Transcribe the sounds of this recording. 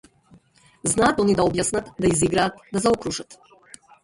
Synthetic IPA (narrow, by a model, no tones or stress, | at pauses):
znaːt̪onid̪aobjasnat̪d̪aiziɡɾaːt̪d̪azaokɾuʒat̪